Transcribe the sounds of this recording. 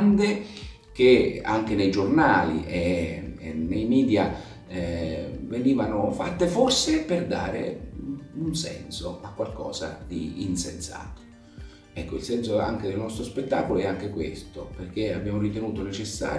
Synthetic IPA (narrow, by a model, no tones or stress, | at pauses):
nd̪e | k̟ea̰ŋk̟enejd͡ʒornaːlḭʔe | nːejmiːd̪ja | veniːvanofat̪ːeforseperd̪a̰ːɾḛ | unsɛ̰nsoakːwalkɔ̰ːsa̰d̪iːnsensa̰ːt̪o̥ | ɛkːoilsɛnsoa̰ŋk̟ed̪elnɔst̪ɾospet̪ːaːkoloɛaŋk̟ekwḛst̪operk̟ea̰bːjaːmorit̪enuːt̪onet͡ʃesːa̰ː